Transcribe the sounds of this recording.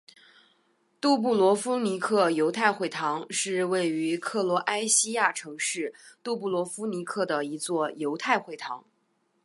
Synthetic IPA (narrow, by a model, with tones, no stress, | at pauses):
t̪u˥˧p̬u˥˩lwɔ˧˥fu˥ni˧˥kʰɤ˥˩jo˧˥ʊt̪ʰa˥˧ɪxwe˥˩ɪt̪ʰɑ˧˥ŋʂɻ̩˥˧we˥˩ɪy˧˥kʰɤ˥˩lwɔ˧˥ʔa˥ɪɕi˥ja˥˩ʈ͡ʂʰɤ˧˥ŋʂɻ̩˥˩t̪u˥˧p̬u˥˩lwɔ˧˥fu˥ni˧˥kʰɤ˥˩d̪ə˩i˧˥t͡swɔ˥˩jo˧˥ʊt̪ʰa˥˧ɪxwe˥˩ɪt̪ʰɑ̰˧˥ŋ